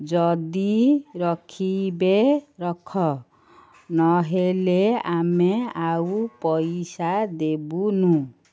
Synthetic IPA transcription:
d͡ʒɔd̪iɾɔkʰibeɾɔkʰɔ | nɔɦeleameawpɔjsad̪ebunũ

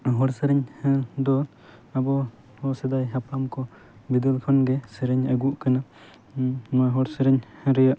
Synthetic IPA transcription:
ɦɔɾsəɾɛɲd̪ɔ | abɔ | hɔsɛd̪ajɦapamkɔ | bid̪ɛlpʰɔnɡɛsɛɾɛɲəɡuʔkana | maɦɔɾsəɾɛɲɾɛjaʔ

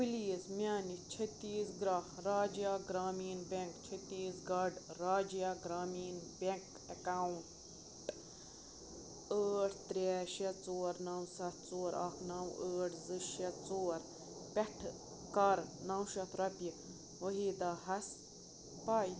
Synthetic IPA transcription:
biliːzmjaːnit͡ʃʰɐt̪ːiːsɡɾaːɾaːd͡ʒijaːɡɾaːmiːnbʲeŋkt͡ʃʰɐt̪iːsɡɐɖɾaːd͡ʒjaɡɾaːmiːnbʲeŋk | ɐkaw | ʈ | əːʈʰt̪ɾʲɛʃɛt͡soːɾnɐwsɐt̪ʰt͡soːɾɐ̰kʰnɐwəːʈʰzɨʃɐt̪t͡soːɾ | pʲɛʈʰ | kɐɾnɐwʃɐt̪ʰɾɐpʲi | ʋɐɦiːd̪aɦɐs | paːj

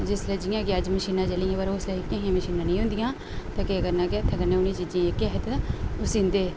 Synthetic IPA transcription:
d͡ʒɪsləd͡ʒijãːkɪəd͡ʒməʃiːnãːt͡ʃəlĩːãːpəɾoslekjãːɦijãːməʃiːnãːnəĩːɦʊ̃nd̪ɪjãː | t̪ãːkɪəɡəɾnãːkɪaːt̪ʰeəɡəɾnẽːʊnĩt͡ʃiːd͡ʒãːeːkːɦɛt̪eʊsɪ̃nd̪eː

